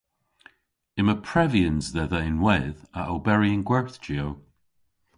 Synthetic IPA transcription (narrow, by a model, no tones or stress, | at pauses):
ɪməpʰɹɛviənzðɛðəɪnwɛðəʔəlbɛɹiənɡwɛɹθd͡ʒiow